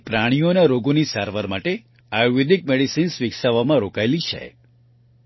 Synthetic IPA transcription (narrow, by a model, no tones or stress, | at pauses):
pɾaɽ̃ijonaɾoɡonisaɾʋaɾmaʈe | ajuʋed̪ʱik̚meɽisinsʋiksaʋamãɾokajlit͡ʃʰḛ